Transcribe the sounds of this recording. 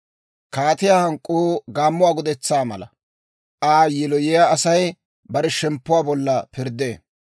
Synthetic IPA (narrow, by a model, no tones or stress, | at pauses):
kaːt̪ɪjaːhɐŋkʼːoːɡaːmːʊwaːɡɔd̪ɛt͡sːaːmɐ̰lɐ̰ | ʔaːjɛlɔjɛjaɐsɐj | bɐɾɛʃɛmpːʊwaːbɔlːɐpɪɾd̪eː